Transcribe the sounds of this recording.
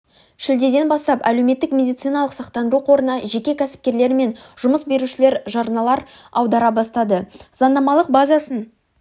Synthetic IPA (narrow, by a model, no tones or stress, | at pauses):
ʃɪld̪e̞d̪e̞nbɑst̪ɑpæle̞wme̞t̪ːɪkmʲe̞d̪ijt̪sɨjnɑlˠəqsɑq̚t̪ɑnd̪əɾuqʰo̞ɾənɑʒe̞kʲe̞kʲʰæsɪ̥p̚kʲe̞ɾle̞ɾɪme̞nʒʊməsbe̞ɾuʃɪle̞ɾʒɑɾənɑlˠɑɾ | ɑwd̪ɑɾɑbɑst̪ɑd̪əz̥ɑnd̪ɑmɑlˠəq̚bazasən